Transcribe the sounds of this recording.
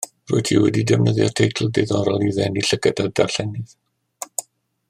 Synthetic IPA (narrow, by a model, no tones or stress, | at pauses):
ro̰ɨtʰḭwɛdidɛvnəðjɔtʰejtʰl̩ˠdeðɔɾɔlˠiðɛniɬəɡədadarɬɛnɪð